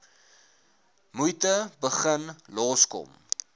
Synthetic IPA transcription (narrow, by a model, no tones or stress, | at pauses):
mujtəbəχənlɔːskɔ̰m